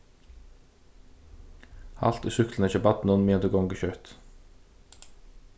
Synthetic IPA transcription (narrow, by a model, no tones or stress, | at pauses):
hɑ̰lt̪iːsʏkln̩ɛːçəbɑt̪n̩ɔnmiːɛnt̪əɡɔŋɡəçœt̪